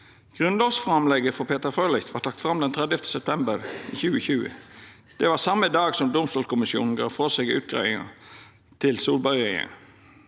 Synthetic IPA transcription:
ɡ̥ʁʉnlɑsfʁɑmlɛɡəfɔpʰeːt̪əɾfølɪçt̪ʰʋɑʈ̪ʰɑk̚t̪fɾɑmd̪ɛnt̪ʰʁɛd̪jəft̪ʰə̥sɛp̚t̪ʰɛmbəɾiːçʉːəçʉːə̰ | d̪̥ɛʋɑsɑmːəd̪ɑːɡsɔmd̪ʊmst̪oːlskʊmɪsjṵːnn̩ɡɑ̰ːʋfɔseɡʉ̰ːt̪̚ɡʁæ̰ɪɪŋə̰ | t̪ʰɪlsuːlbɑʏɪə̰n

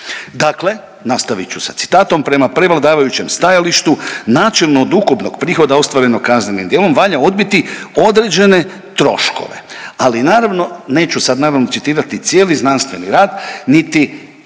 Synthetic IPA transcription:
d̪akle̞ | nast̪aʋit͡ʃusat̪si̥t̪aːt̪o̞mpɾe̞mapɾe̞ʋlˠad̪aːʋajut͡ɕe̞mst̪ajaliʃt̪unaːt͡ʃelˠnoːd̪ukupno̞ɡ̥pɾiːxo̞d̪ao̞st̪ʋaɾe̞no̞ɡkaznenimd̪jeːlo̞mʋaʎao̞d̪̚bit̪io̞d̪ɾe̞d͡ʑe̞ne̞ | t̪ɾo̞̰ʃko̞̰ʋe̞̰alinaːɾaʋno̞ne̞ːt͡ɕusad̪naːɾaʋno̞t̪sit̪iːɾat̪it̪sʲje̞ːliznanst̪ʋe̞niɾaːd̪nit̪i

